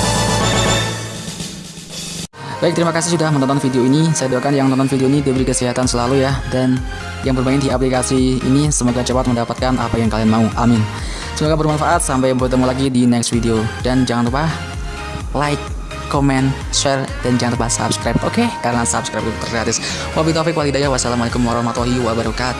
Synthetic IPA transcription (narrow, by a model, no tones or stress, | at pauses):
b̥aɪk̚t̪əɾimakasɪhd͡ʒuɡahmənɔnt̪ɔnfideoinisajaduakanjaŋənɔnt̪ɔnfideoinidiabəɾikəsiɦat̪ansəlalujadan | jaŋbərbaɪndiaplikasiḭnisəmoɡat͡ʃəpat̪̚məndapat̪̚kanʔa̰pajaŋkalianmauʔa̰mɪn | səmoɡabərmanfaʔat̪̚sampajbərt̪əmulaɡidinɛksfideodand͡ʒaŋanrupah | laɪkː | omɛn | sɛrd̥and͡ʒaŋanrɾupahsa̰pskɾajp̚tokekaɾənasapskɾajp̚t̪ut̪ərɡɾat̪ɪs | wabit̪ɔfɪkwaltidajawasalamualekʊmaɾɔhmat̪oɦiwabəɾbəkat̪̚